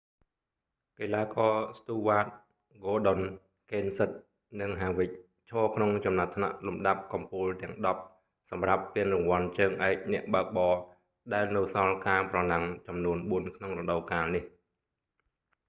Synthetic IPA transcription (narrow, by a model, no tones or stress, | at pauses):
keːlaːkɑːst̪uːʋaːt̪̚ | ɡoːɗon | keːnsɨt̪̚ | nɨŋɦaːʋɨc̚ | t͡ɕʰɔːkʰnoŋt͡ɕɑmnat̪ʰːna̰ʔlumɗap̚kɑmpuːlt̪ɛ̆əŋɗɑp̚ | sɑmrapːiənrʊŋʋŏənt͡ɕəːŋʔaɛk̚nɛ̆əʔɓaək̚ɓɑː | ɗaɛlnɨwsɑlkaːprɑlaŋt͡ɕɑmnuənɓuənkʰnoŋrɔɗəwkaːlnih